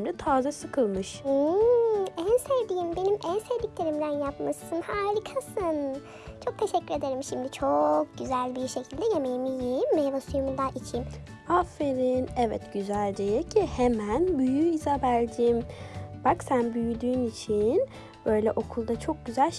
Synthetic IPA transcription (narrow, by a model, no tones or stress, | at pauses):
mlɛt̪ʰaːzasɯkʰɯlˠmɯʃɯ | ænsevd̪ijimbe̞nimʔænsevd̪icʲlʲe̞ɾimd̪ænjapmasɯnhaːɾʲikʰasɯn | t͡ʃʰo̞k̚t̪ʰe̞ʃɛcːyɾe̞d̪e̞ɾimʃimd̪it͡ʃʰo̞k̚ɟyzælʲbiɾʃe̞cʰilʲd̪ɛje̞mejimijimːejad̪asujumud̪aʔit͡ʃʰim | afːeɾinɛvɛt̪ɟyzælʲd̪ejɛcʰihemænbyjyizabælʲd̪iːmb̥aksænbyjyd̪yːnit͡ʃʰin | b̥ø̞jlʲɛʔo̞kʰulˠd̪at͡ʃʰo̞k̚ɟyzælʲ